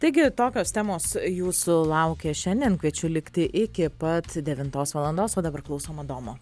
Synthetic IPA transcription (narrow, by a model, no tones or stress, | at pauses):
t̪ɐɪɡʲɪt̪oːkʲoːst̪ʲæːmoːsjuːsʊlˠɐʊkʲeːʃʲɛnʲd̪ʲiɛnkʋʲiɛt͡ʃʲʊlʲɪkt̪ʲɪʔɪkʲɪpɐt̪d̪ʲɛʋʲɪnt̪oːsʋɐlˠɐnd̪oːsoːd̪ɐbɐɾklˠʊsoːmɐd̪oːmoː